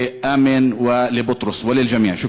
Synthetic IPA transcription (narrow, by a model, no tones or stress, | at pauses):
ʔaːmɪnwɪlɪbʊt̪ˤɾʊswɪlːɪld͡ʒamiːʕʃʊ